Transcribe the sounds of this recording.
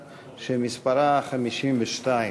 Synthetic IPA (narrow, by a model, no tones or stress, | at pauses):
ʃemispaɾaχamiʃimbeʃt̪aj